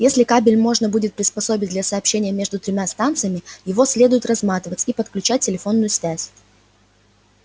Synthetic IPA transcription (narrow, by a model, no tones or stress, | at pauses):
jesʲlʲɪkabʲɪlʲmo̞ʐnəbudʲɪt̪̚pɾʲɪspɐso̞bʲɪd̪lʲɐsɐːpɕːenʲɪjəmʲe̞ʐd̪ʊt̪ɾʲɪmʲast̪ant̪sɨjəmʲɪjɪvo̞sʲlʲe̞d̪ʊjɪt̪rɐzmat̪ʲɪvətʲipət̪klʲʉt͡ɕæt̚ʲtʲːɪlʲɪfo̞nːʊjʊsvʲæsʲ